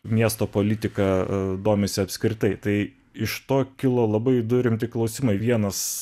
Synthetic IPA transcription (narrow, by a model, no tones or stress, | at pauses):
mʲiɛst̪oːpoːlʲɪt̪ʲɪkɐd̪oːmʲɪsʲɪɐpʲsʲkɾʲɪt̪ɐɪt̪ɐɪ | ɪʃt̪oːkʲɪlˠoːlˠɐbɐɪd̪ʊɾʲɪmʲt̪ʲɪklˠɒʊsʲɪmɐɪʋʲiɛnɐs